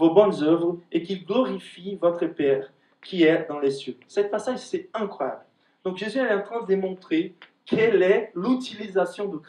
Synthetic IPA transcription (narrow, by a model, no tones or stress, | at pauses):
vobɔnzœvʁekilɡlɔʁifivɔt̪χəpɛʁ | kʲiɛd̪ɑ̃lesjøsɛt̪̚pasaʒsɛɛ̃kχwaja̰bl | d̪̥ɔ̃kʒezyɛlɛɑ̃t̪χɛ̃d̪əd̪emɔ̃t̪χe | kʰɛlɛlyt̪ilizasjɔ̃d̪ək